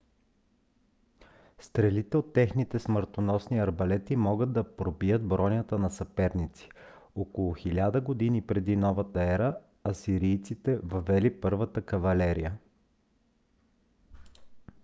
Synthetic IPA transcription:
st̪ɾɛlit̪ɛot̪ːɛxnit̪ɛsməɾt̪onɔsniɐɾbɐlɛt̪imɔɡəd̪d̪ːɐpɾobijəd̪̚bɾɔnʲət̪ənɐsɐpɛɾnit̪si̥okolˠʊxilʲad̪əɡod̪inipɾɛd̪inɔvət̪əɛɾə | ɐsiɾijt̪sit̪ɛvɐvɛlipɤɾvət̪əkɐvɐlɛɾijə

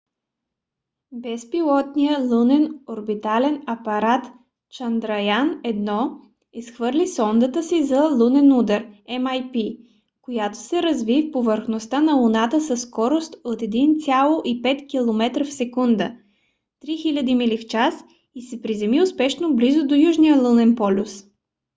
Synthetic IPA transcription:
bɛspilˠɔt̪nijəlˠunɛnoɾbit̪alɛnɐpɐɾat̪ | t͡ʃɐnd̪ɾɐjanɛd̪nɔ | isxvɤɾlʲisɔnd̪ət̪əsizɐlˠunɛnud̪əɾɛmajpi | kojat̪o̥sɛɾɐzvifpovəɾxnost̪anɐlˠunat̪əsɐsːkɔɾost̪ot̪ɛd̪int̪sʲalˠoʔipɛt̪kʲilˠomɛt̪ɾəfsɛkund̪ə̰ | t̪ɾixilʲəd̪imilift͡ʃas | isɛpɾizɛmiʊspɛʃnoblizʊd̪ojuʒnijəlˠunɛnpɔlʲus

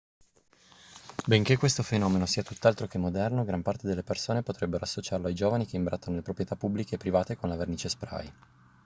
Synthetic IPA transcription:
beŋk̟ekwest̪ofenɔːmenosiːat̪ut̪ːalt̪ɾokemːod̪ɛrnoɡɾampart̪ed̪elːepersoːnepot̪ɾebːeɾoasːot͡ʃarloajd͡ʒoːvanikeimbɾʔat̪ːanolepɾopɾjet̪apːubːlikeːpːɾivaːt̪ekonlaverniːt͡ʃespɾa̰j

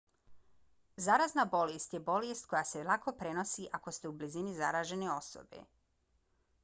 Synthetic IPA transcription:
zaɾaznabo̞lest̪je̞bo̞lest̪̚ko̞jaːselˠako̞pɾe̞no̞siʔako̞st̪e̞ublizinizaɾaːʒe̞neo̞so̰bḛ

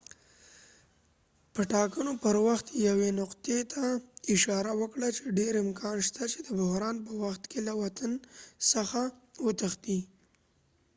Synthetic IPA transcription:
pəʈɑkənopəɾwaxt̪jawenʊqt̪et̪ʰaɪʃɑɾawəkɽat͡ʃeɖeɾɪmkʰɑnʃt̪at͡ʃed̪əbʊɦɾɑnpəwaxt̪kelawat̪ansəxawət̪əxt̪i

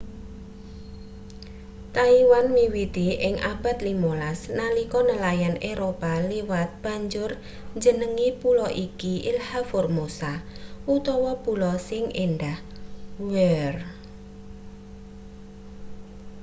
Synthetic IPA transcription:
t̪aiwanmiwit̪iʔɪŋʔab̥a̤t̪limolasnalikɔnəlajaneɾopaliwat̪̚b̥a̤ɲd͡ʒʊr | ɲd͡ʒənəŋipulɔʔikiʔilhaformosaʔut̪ɔwɔpulɔsɪŋenɖah | wɛr

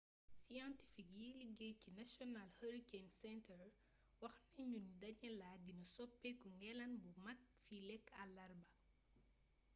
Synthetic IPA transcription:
sianti̥fikjiliɡɛcinɐsjɔnalhɐɾikensɛntʰɛr | wɐxnɐɲunidɐɲɐlaːdinɐsɔpːɛkuŋɡɛlɐnbumɐk̚filɛkːɐlɐrbɐ

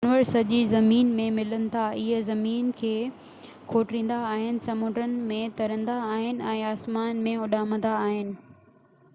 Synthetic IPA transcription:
nʋəɾsɐʄizɐmiːnmẽmɪlənɪ̆t̪ʰaɪɦəzɐmiːnkʰeː | kʰoːʈɾĩːnd̪aːɦɪnɪ̆sɐmʊ̃ːʈɾənɪ̆mẽt̪ɐɾə̃nd̪aːɦɪnɪ̆ʔɛ̃ːaːsmaːnmẽʊɗaːmə̃nd̪aːɦɪnɪ̆

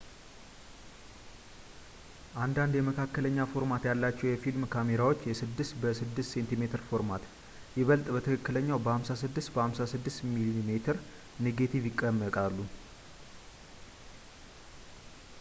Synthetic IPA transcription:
ʔand̪and̪jɛməkʰakːələɲːafo̞ɾmat̪jalːat͡ʃːɛwjɛfilmkʰameɾawo̞t͡ʃːjɛsɨd̪ːɨst̪bəsɨd̪ːɨst̪se̞nt̪ime̞t̪ʰɨɾfo̞ɾmat̪ | jɛβəlt̪ʼbət̪ʰəkʰəkːɨləɲːawbəhamsasɨd̪ːɨst̪bəhamsasɨd̪ːɨst̪miliimet̪ʰɨɾ | neɡet̪ʰivjɪkʼːəmːəkʼalːu

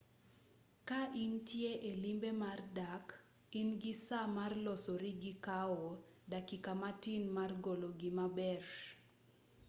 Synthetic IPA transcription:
kaʔɪntjeʔelimbemardak | ɪnɡisamarlɔsɔɾiɡɪkaɔdakikamatinmarɡoloɡimabɛr

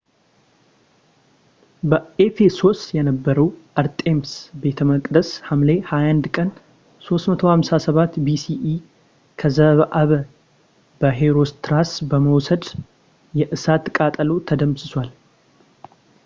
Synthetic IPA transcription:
bəefeso̞st̪jɛnəbːəɾəwʔəɾt̪ʼe̞msbe̞t̪ʰəməkʼd̪əshamlehajand̪kʼən | so̞st̪mət̪ʰo̞hamsasəβat̪bisiʔi | kʰəzəβəʔaβə | bəɦeɾo̞st̪ʰɾasbəməwsəd̪ | jɛʔɨsat̪kʼat̪ʼəlot̪ʰəd̪əmsɨswʷal

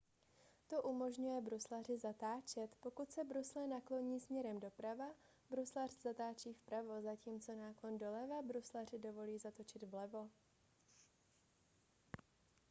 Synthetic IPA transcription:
t̪o̞ʔumo̞ʒɲujɛbɾuslar̝ɪzat̪aːt͡ʃɛt̪po̞kut̪sɛbɾuslɛnaklo̞ɲiːsmɲɛɾɛmdo̞pɾava | bɾuslar̥z̥at̪aːt͡ʃiːfpɾavo̞zaciːmt͡so̞naːklo̞ndo̞lɛvabɾuslar̝ɪdo̞vo̞liːzat̪o̞t͡ʃɪd̪vlɛvo̞

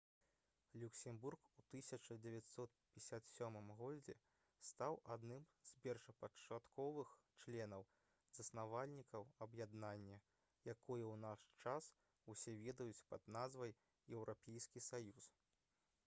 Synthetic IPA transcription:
lʲuksʲɛmburkut̪ɨsʲɐt͡ʂɐd͡zʲɛvʲat̪ʲsɔt̪̚pʲsʲat̪sʲɔmɨmɣɔd͡zʲɛ̰ | st̪awʔad̪nɨmz̥pʲɛrʂɐpɐt͡ʂat̪kɔvɨx | t͡ʂlʲɛnɐw | z̥ɐsnavalʲnʲikɐwɐbjad̪nanʲːɐ | jakɔjɛwnaʂt͡ʂas | usʲɛvʲɛd̪ɐjut͡sʲpɐd̪nazvɐj | jɛwɾʔapʲejskʲisajus

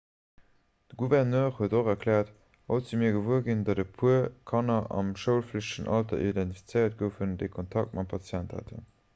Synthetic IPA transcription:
d̥əɡuvɛʁnøːʁhuətoχɐkʰlɛːɐt | ot͡simiːɐɡəvuəɡindɑdəpʰuəkʰɑnɐʔɑ̰mʃəʊlfləɕtəʃənʔɑltɐ̰ʔidæntifi̥t͡səjɐt̚ɡəfəndeɪkʰontʰɑk̚t̚mɑtmpʰɑt͡sjæntha̰tʰə̰n

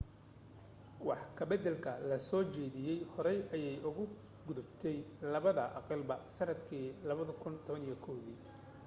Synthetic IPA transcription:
wɑħkʰɐbɛd̪ɛlkʰɐlɐsɔːt͡ʃɛːðɪjɛjhɔɾɛjʔɐjɛjʔʊɣʊ | ɡʊðʊbt̪ʰɛjlɐβɐðɐʔɑ̰qɑlbɐsɐnɐd̪kʰiːlɐβɐðɐkʰʊnt̪ʰɔβɐnijɐkʰɔwðiː

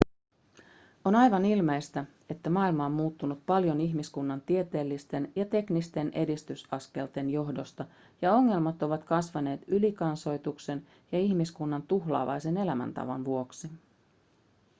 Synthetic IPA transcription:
o̞nɑjʋɑnilme̞jst̪æ | e̞t̪ːæmɑːilmɑommuːt̪ːunut̪̚pɑljo̞niçmiskunːɑnt̪ie̞t̪e̞ːlːist̪e̞njɑt̪e̞knist̪e̞nʔedist̪ysɑske̞lt̪e̞njo̞ɦdo̞st̪ɑ | jɑo̞ŋːe̞lmɑt̪o̞ʋɑt̪kɑsʋɑne̞ːt̪ylikɑnso̞jt̪ukse̞n | jɑiçmiskunːɑnt̪uxlɑ̰ːʋɑ̰jse̞ne̞læmæ̰nt̪ɑ̰ʋo̰nʋuo̞ksi

